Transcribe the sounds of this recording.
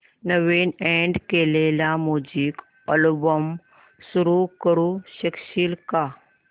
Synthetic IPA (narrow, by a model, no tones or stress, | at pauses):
nəʋeneɳɖkelelamod͡ʑiːk | əlbəm | suɾukəɾuɕəkɕiːlka